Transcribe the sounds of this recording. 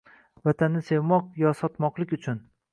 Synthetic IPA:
vat̪ʰanːɪse̞vmɒqjɒsɒt̪mɒqlˠɪkʲʊt͡ʃʰʊn

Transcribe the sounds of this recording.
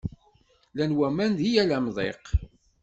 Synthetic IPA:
lænwæmænd̪ijælæmðˤḛq

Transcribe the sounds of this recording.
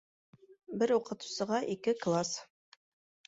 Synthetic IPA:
bɘɾuqɤ̆t̪u̥sɤ̆ʁɑʔikɘklˠas

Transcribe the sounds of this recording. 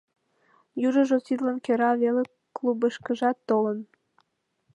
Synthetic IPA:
juʒə̆ʒosid̪lənkøɾɑβele | klubəʃkə̆ʒɑt̪ːolən

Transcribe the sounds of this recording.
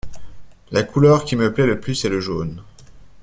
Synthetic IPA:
lakʰulœʁkʲiməplɛləplysɛləʒo̰n

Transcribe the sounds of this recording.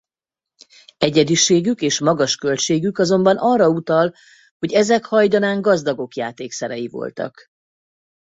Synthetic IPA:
ɛɟɛd̪iʃeːɡykeːʃmɒɡɒʃkø̞lt͡ʃeːɡykɒzo̞mbɒnɒrːɒut̪ɒl | ho̞ɟɛzɛkhɒjd̪ɒnaːŋɡɒzd̪ɒɡo̞kjaːt̪eːksɛɾɛjivo̞̰lt̪ɒ̰k

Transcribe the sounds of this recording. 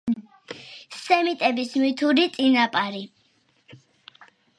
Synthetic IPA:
sɛmit̪ʼɛbismit̪ʰuɾit̪sʼinapʼaɾi

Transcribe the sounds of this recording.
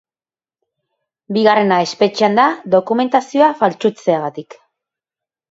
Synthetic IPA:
biɣare̞nae̞spe̞t͡ʃeand̪aðo̞kume̞nt̪asio̞afalt͡ʃut͡se̞aɣat̪ik

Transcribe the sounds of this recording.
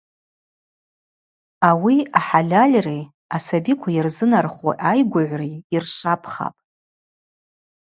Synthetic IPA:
awiaħalʲalʲrej | asabikʷʰajarzɨnarχo̰ʔajɡʷaʕʷrejirʂapʰχa̰pʼ

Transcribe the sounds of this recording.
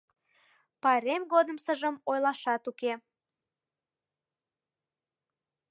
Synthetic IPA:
pɑɾemɣod̪əmsəʒəmojlɑʃɑt̪uke

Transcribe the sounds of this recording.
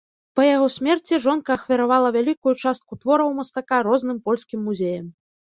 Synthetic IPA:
pɐjaɣɔsʲmʲɛrt͡sʲiʐɔnkɐːxvʲɐɾavalˠɐvʲalʲikujut͡ʂast̪̚kut̪vɔɾɐwmɐst̪akaɾɔzn̪ɨmpɔlʲsʲkʲimːuzʲejɐm

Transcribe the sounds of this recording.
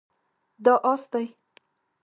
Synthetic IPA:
d̪ɑʔɑst̪aj

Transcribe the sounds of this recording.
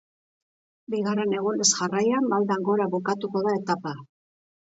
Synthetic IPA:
biɣare̞ne̞ɣ̞onesʝarajamːald̪aŋɡo̞ɾaβokat̪uko̞ðae̞t̪apa

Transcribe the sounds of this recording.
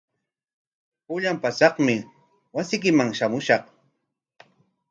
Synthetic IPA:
pʊʎampasɑχmɪ | wasɪjk̬ɪmaŋʃamʊʃɑχ

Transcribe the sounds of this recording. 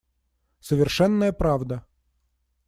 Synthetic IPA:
səvʲɪrʂɛnːəjəpɾavd̪ə

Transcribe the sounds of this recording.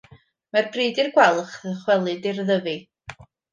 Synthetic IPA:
marbriːdirɡwɛlˠχəχwɛlˠɨdɪrðəvi

